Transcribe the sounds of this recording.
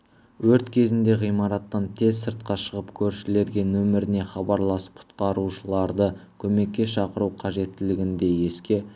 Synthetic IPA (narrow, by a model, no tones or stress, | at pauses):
wɵɾt̪kʲʰe̞zɪnd̪e̞ʁijmɑɾɑt̪ːɑnt̪ʰe̞zsəɾt̪̚qɑʃəʁəpkʲʰɵɾʃɪle̞ɾɡʲe̞nɵmɪɾɪne̞χɑbɑɾlˠɑsə̥p̚qʰʊ̥t̪qɑɾuʃəlˠɑɾd̪əkʲʰɵme̞kʲːe̞ʃɑqəɾuqʰɑʒe̞t̪ːɪlɪɡʲɪnd̪e̞je̞skʲe̞